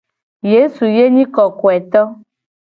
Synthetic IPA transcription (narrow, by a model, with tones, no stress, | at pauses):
je˦su˨je˦ɲĩ˦kɔ˨kɔ˨ɛ˨t̪ɔ˦